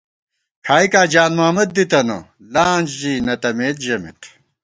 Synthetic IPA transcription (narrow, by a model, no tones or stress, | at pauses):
kʰaːikaːd͡ʑaːnmaːmɐd̪̚ːit̪ɐno̰ | laːnd͡ʑd͡ʑinɐt̪ɐmeːt̪̚d͡ʑɐmḭt̪